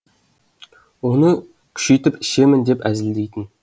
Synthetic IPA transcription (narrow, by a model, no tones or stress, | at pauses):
wonə | kʲʰy̥ʃejt̪ɪpɪ̥ʃemɪnd̪epæzɪld̪ejt̪ɪn